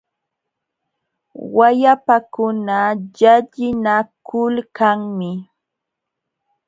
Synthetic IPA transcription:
wajapakʊnaʎaʎɪnakʊlkaŋmɪ

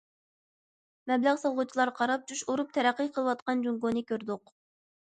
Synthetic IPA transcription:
mɛblæʁsɑlˠʁʊt͡ʃʰilˠɑɾqʰɑɾɑp̚d͡ʒuʃoɾup̚t̪ʰɛɾæqːɨjqʰəlˠəwɑt̪̚qɑnd͡ʒuŋɡonɨkʲøɾd̪ʊq

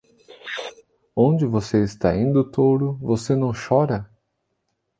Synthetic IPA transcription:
õd͡ʒɪvoseɪst̪aĩd̪ʊt̪owɾʊvosenɐ̃w̃ʃɔɾɐ

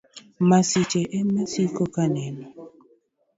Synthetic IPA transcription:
masit͡ʃeʔɛmasikokanɛnɔ

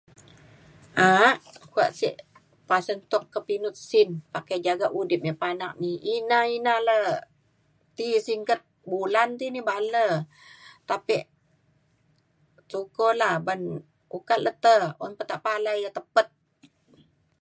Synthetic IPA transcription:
ʔaʔkua̰ʔsḭʔ | pasənt̪ɔkːəpinʊt̪̚sɪnpakajd͡ʒaɡaʔudɪp̚ɲəpanak̚niinainalə | t̪isiŋkət̪̚bulant̪inibalə | t̪apiʔ | sukolaban | ukat̪̚lʔət̪əɔ̰npət̪aʔpalajət̪əpət̪̚

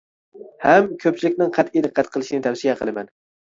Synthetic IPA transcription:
hɛmkʲʰøp̚t͡ʃʰilɪkʲnɪŋqʰæt̪id̪ɨqʰːæt̪qʰəlˠɨʃɪnɪt̪ʰæwsijɛqʰə̰lˠɨmɛn

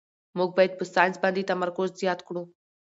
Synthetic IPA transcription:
moɡ̚bajt̪̚pəst̪ant͡sbãnd̪iːt̪əməɾkosd͡zijat̪kɽũ

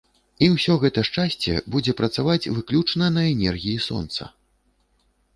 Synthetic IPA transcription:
iwsʲɔɣɛt̪ɐʂt͡ʂasʲt͡sʲɛ̰bud͡zʲɛpɾɐt̪savat͡sʲvɨklʲut͡ʂnɐnɐɛnʲɛrɣʲijisɔ̰nt̪sɐ̰

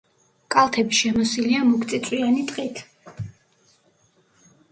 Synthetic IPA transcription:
kʼalˠt̪ʰɛbiʃɛmɔsiliamɔkʰt̪sʼit̪sʼwianit̪ʼqʼit̪ʰ

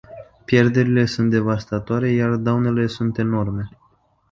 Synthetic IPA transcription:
pje̞rd̪e̞ɾile̞sunt̪̚d̪e̞vast̪at̪oaɾe̞jard̪awne̞le̞sunt̪e̞no̞rme̞

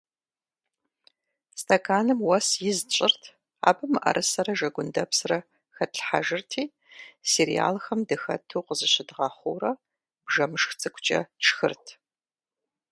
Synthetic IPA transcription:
stʰɐkʰaːnɨmwɐsjɪzt͡ʃʼɪrtʰ | a̰ːbɨmɨʔɐ̰ɾʔɨsɐɾɐʒɐɡʷʊndɐpsrɐ | xɐtɬħaʒɪrtʰiː | seɾḭja̰ːlxɐmdɨxɐ̰tʰuːqəzɨɕɪdʁɑːχʷo̰ːrɐ | b̥ʒɐmɨʂxt͡sʼɨkʷʰʼt͡ʃʼɐ̰t͡ʃʰxɨrtʰ

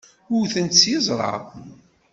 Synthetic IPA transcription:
ʊwθənt̪sjɪzˤɾˤɑ̰ðˤ

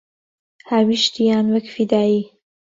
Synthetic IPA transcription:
haːwiʃt̪ijaːnwɐkfid̪aːiː

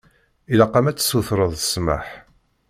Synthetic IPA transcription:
ilɑqːɑmæt͡sːsuθɾˤəðˤəsmə̰ħ

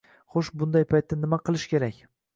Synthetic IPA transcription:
χoʃbʊnd̪ajpʰajt̪ːanɪmaqʰɨlˠɪʃkʲe̞ɾakʲ

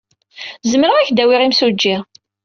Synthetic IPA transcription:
zəmɾəʁæçd̪æwɪʁimsud͡ʒːi

